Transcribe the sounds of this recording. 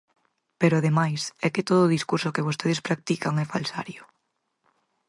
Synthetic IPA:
peɾʊaðemajsɛkɪt̪oð̞oːðiskuɾsokeβost̪eð̞espɾak̚t̪ikaŋɛfalsa̰ɾjʊ

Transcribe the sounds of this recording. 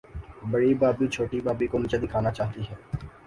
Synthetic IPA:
bɐɽibaːbiːt͡ʃʰoːʈibaːbikonɪt͡ʃəd̪iːkʰaːnat͡ʃaːɦt̪iɦɛː

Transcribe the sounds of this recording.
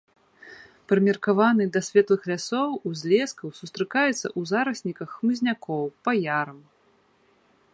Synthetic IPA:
pɾɨmʲɛrkavanɨd̪ɐsʲvʲɛt̪lˠɨxlʲasɔwuzʲlʲɛskɐwsust̪ɾɨkajɛt̪sːɐ̰ʔuzaɾɐsʲnʲikɐxːmɨzʲnʲakɔwpajaɾɐm

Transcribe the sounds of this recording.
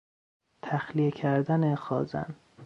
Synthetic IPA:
t̪ʰæxlijecʰæɾd̪ænexɒːzæ̰n

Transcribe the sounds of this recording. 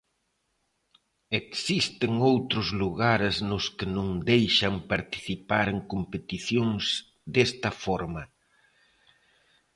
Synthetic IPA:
eksist̪ɪŋowt̪ɾʊzluɣaɾznʊskɪnũŋd̪ejʃɐmpaɾt̪i̥θipaɾeŋkompet̪iθjoŋsz̥ | d̪est̪ɐfɔɾmɐ

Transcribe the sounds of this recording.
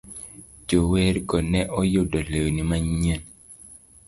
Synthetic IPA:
d͡ʒoweɾɡɔnɛʔɔjodɔlewnimaɲen

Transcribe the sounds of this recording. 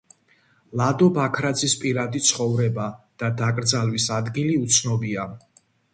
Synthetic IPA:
lˠad̪ɔbakʰɾad̪zispʼiɾad̪it̪sʰχɔvɾɛbad̪̥ad̪akʼɾd̪zalˠwisad̪ɡiliut̪sʰnɔbia

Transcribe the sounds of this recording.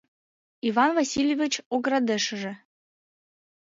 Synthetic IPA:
ivɑnvɑsʲilʲjevʲit͡ɕoɡɾɑd̪ĕʃə̆ʒĕ

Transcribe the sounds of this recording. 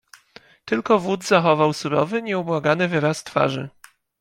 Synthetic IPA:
t̪ɘlkɔvud̪zaxɔvawsuɾɔ̰vɘɲɛubwaɡanɘvɘɾast̪fa̰ʐɘ̰

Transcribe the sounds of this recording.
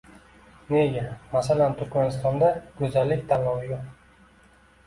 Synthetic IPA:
neɡʲamasalant̪ʰʊɾkʲmanɪst̪ɒnd̪aɡɵzalːɪkʲt̪ʰanɒwɪjoq

